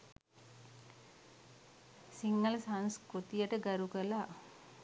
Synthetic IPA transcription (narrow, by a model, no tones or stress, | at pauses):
siŋnəlsanskot̪ijəʈəɡaɾukəla